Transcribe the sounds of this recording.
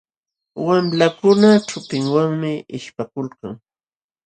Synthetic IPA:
wamlakʊnat͡ʃʊpɪŋwaŋmɪɪʃpakʊlkaŋ

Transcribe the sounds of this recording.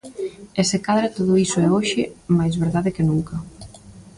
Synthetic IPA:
esɪkaðɾat̪oðʊisʊɛoʃɪmajzβeɾðaðɪkɪnuŋkɐ

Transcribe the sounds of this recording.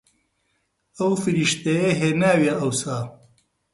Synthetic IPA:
ɐwfɨɾiʃt̪ejeɦeːnaːwjɐʔɐwsaː

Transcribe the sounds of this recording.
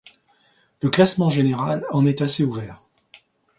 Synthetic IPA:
ləklasmɑ̃ʒeneʁalɑ̃nɛt̪aseuvɛːʁ

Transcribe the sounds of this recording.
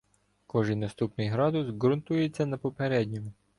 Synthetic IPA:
kɔʒijnɐst̪upnɪjɦɾɑd̪ʊsɡɾʊnt̪ujet͡sʲːɐnɐpɔpeɾɛdʲnʲɔmʊ

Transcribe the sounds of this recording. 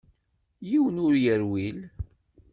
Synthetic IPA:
jiwənʊɾjəɾwil

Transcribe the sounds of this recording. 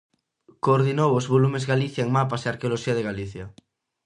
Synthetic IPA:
koːɾðinowozβolumezɣaliθjaeŋmapaseaɾkeoloʃiaðeɣaliθja

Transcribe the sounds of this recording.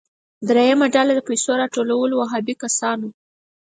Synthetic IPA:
d̪ɾejamaɖalad̪əpajsoɾɑʈolawəlowaɦɑbikasɑno

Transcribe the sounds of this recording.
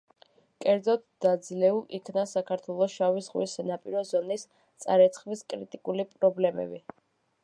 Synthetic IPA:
kʼɛɾd̪zɔt̪̚d̪̥ad̪zlɛulˠikʰnasakʰaɾt̪ʰwɛlˠɔʃawisʁwisɛnapʼiɾɔzɔnis | t̪sʼa̰ɾɛt̪sʰχmiskʼɾit̪ʼikʼulipʼɾɔblɛmɛ̰bi

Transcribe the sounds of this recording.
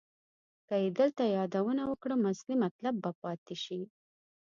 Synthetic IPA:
kəjed̪əlt̪ajɑd̪awənawəkɽəmʊslimat̪labːapɑt̪ɪʃi

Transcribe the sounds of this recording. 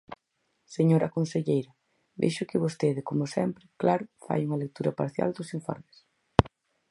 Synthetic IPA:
seɲoɾɐkonseʎejɾɐ | bḛjʃʊkɪβost̪eðɪkomʊsɛmpɾɪklaɾʊfa̰juŋɐlek̚t̪uɾɐpa̰ɾθja̰ld̪ʊsiɱfɔ̰ɾmɪs

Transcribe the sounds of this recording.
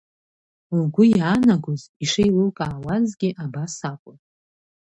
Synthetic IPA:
ɡʷʊjaːnaɡʷoziʂejlɨlkʼaːwazɡʲɪʔabasakʷʼʊnʼ

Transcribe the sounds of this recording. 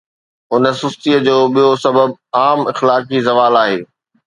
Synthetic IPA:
ʊnə̆sʊst̪iəd͡ʑoːɓijosɐbəb̚aːmɪxlaːkd͡ʑizɐʋaːlaːɦeː

